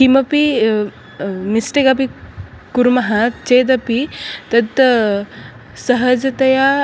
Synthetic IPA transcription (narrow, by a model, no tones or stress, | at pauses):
kimɐpi | misʈekapi | kuɾmɐɦat̪t͡ʃeːd̪ɐpit̪ɐt̪ | sɐɦɐd͡ʒɐt̪ɐja